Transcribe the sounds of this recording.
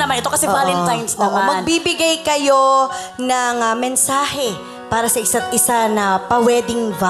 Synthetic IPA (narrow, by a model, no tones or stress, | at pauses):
nɐmanʔɛt̪okɐsɛbaːlɛnt̪ajnsnɐmamɐɡ̪̚bibɪɡajkɐjo̞nɐŋɐmɛnsaːhɛ | paːɾɐsɐʔɪsat̪̚ʔɪsanɐpɐwɛːd̪ɪŋva